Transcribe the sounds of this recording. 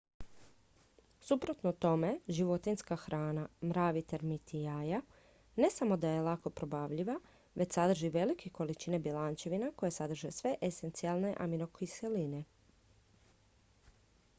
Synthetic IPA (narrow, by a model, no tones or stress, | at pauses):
supɾot̪nout̪o̞me̞ʒiʋo̞t̪inskaxɾaːnamɾaːʋit̪eɾmit̪ʰiaja | ne̞samo̞d̪aje̞lˠako̞pɾo̞baːʋʎiʋa | ʋe̞t͡ɕsad̪r̩ʒiʋe̞likʰeko̞lit͡ʃinebilant͡ʃe̞ʋinako̞jesad̪r̩ʒesʋe̞ʔesent̪sialˠne̞ʔa̰mino̞kiseline̞